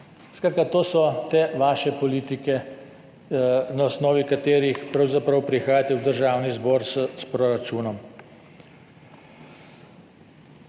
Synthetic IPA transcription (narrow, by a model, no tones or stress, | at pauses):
skɾaːt̪̚kat̪oːsɔt̪eːʋaːʃɛpɔliːt̪ikɛ | naɔsnɔːʋikat̪eːɾixpɾawzapɾɐwpɾixaːjat̪ɛwd̪əɾʒaːwnizbɔːɾsspɾɔɾat͡ʃuːnɔm